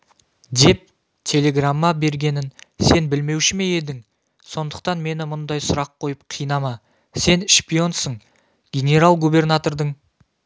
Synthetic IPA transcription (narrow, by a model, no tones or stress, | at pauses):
d̪e̞p̚ | t̪ʲʰe̞le̞ɡramːɑbe̞ɾɡʲe̞nɪnse̞nbɪlme̞wʃɪme̞je̞d̪ɪŋ | so̞nd̪əq̚t̪ɑnme̞nɪmʊnd̪ɑjsʊɾɑqʰːo̞jəpqʰijənɑmɑ | se̞nʃpʲio̞nsəɴ | ɡʲe̞nʲe̞ɾalˠɡubʲe̞rnat̪o̞rd̪əɴ